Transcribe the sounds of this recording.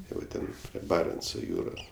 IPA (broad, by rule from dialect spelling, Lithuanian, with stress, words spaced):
ˈtɐɪ ʋɐ ˈtʲɛn pʲrʲiɛ ˈbɑːrʲɛnt͡soː ˈjuːroːs